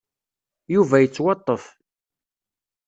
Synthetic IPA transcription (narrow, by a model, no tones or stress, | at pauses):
juvæjət͡sːwɑt̪ˤːəf